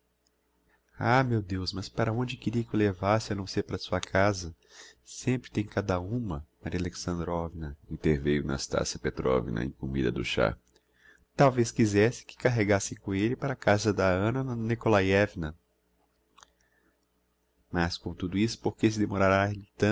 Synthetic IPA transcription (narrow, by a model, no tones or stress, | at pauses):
amewd̪ewsmɐspaɾɐõd͡ʒɪkɪɾiɐkɪʊlevasɪɐnɐ̃w̃seɾpaɾɐsuɐkʰazɐ | sẽmpɾɪt̪ẽj̃kad̪ɐũmɐmaɾiɐleksɐ̃nd̪ɾɔvinɐĩnt̪eɾvejʊna̰ːst̪a̰siɐpet̪ɾɔ̰vḭnɐ̰ḛ̃kumḭd̪ɐ̰d̪ʊ̰ʃa̰ | t̪awveskizɛsɪ̥kɪ̥kaɦeɡasɪkõelɪpaɾɐkazɐd̪ɐɐ̃nɐnikolajɛvinɐ | mɐskõt̪ud̪ʊisʊ̥poɾkes̬ɪd̪emoɾaɾalɪt̪ɐ̃